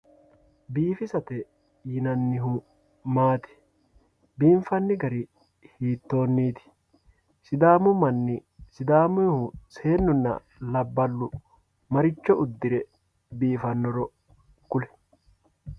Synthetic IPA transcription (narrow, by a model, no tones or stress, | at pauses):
biːfɪsɐt̪ɛ | jɪnɐnːɪɦʊ | maːt̪ɪ̥ | biːɱfɐnːɪɡɐɾi | hiːt̪ːo̞ːnːiːt̪ɪ̥ | sɪd̪aːmʊmɐnːɪsɪd̪aːmʊhʊse̞ːnːʊnːɐ̰ | lɐbːɐlːʊ | mɐɾɪt͡ʃːɔʊd̪ːɪɾɛ | biːfɐnːɔɾɔ | kʊlɛ̥